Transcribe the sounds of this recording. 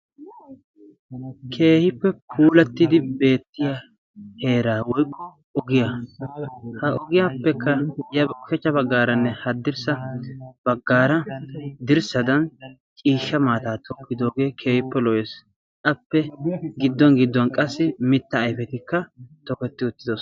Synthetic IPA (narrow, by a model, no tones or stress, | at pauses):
kʰe̞ːhɪpːɛpʰuːlɐt̪ːɪd̪ɪbe̞ːt̪ːɪja | he̞ːɾaːwɔjkʰʼːɔ | ɔɡɪja | hɐʔɔɡɪjapːɛkːɐjɐbfɛt͡ʃːɐbɐɡːaːɾɐnːɛhɐd̪ːɪɾsɐb̥ɐɡːaːɾɐd̪ɪɾsɐd̪ɐn | t͡ʃʼiːʃːɐmaːt̪aːt̪ʰɔkːɪd̪o̞ːɡe̞ːkʰe̞ːhɪpːɛlɔjɛs | ʔɐpːɛɡɪd̪ːɔnɡɪd̪ːʊɐnkʼɐsːɪmɪt̪ːɐːjfɛt̪ɪkːɐt̪ɔkɛt̪ːɪʊt̪ːɪd̪os